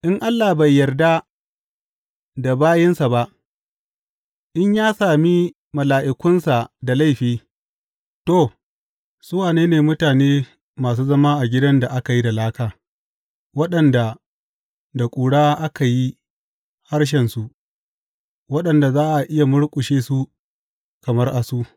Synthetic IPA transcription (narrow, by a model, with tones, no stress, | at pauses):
ʔɪ˦ŋʔa˦lːaː˨bɐ˨jːɐ˨rda˦ | da˨baː˦jɛ˦nsa˨ba˦ʔ | ʔɪ˦ɲjaː˦saː˨mi˦ | mɐ˨laː˨ʔɪ˨kʷʊ˦nsa˨da˨la˦˨jɸiː˦ | to˦˨ | sʊ˦waː˨neː˦neː˨mʊ˦taː˨neː˦ | maː˨s̬uː˦zɐ˦maː˦ʔa˨ɡʲɪ˦dɐ˦nda˨ʔa˦ka˨ji˦da˨laː˦kaː˨ | wɐ˦ɗɐ˨nda˨ | da˨kʷʼuː˨ɽaː˦ʔa˦ka˨ji˦ | ha˦ɽʃ̬ɛ˨nsu˦˨ʔ | wɐ˦ɗɐ˨nda˨zaː˦ʔa˨ʔɪ˦ja˨mʊ˦ɽkʷʼʊ˨ʃeː˦su˦ | kɐ˨mɐ˦rʔa˨su˦ʔ